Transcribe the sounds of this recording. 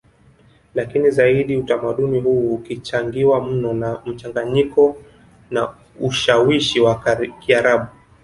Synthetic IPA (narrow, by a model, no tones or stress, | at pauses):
lakinizaiɗiutamaɗunihuːkit͡ʃaŋɡiwam̩nɔnam̩t͡ʃaŋɡaɲikɔ | na | uʃawiʃiwakiaɾaɓu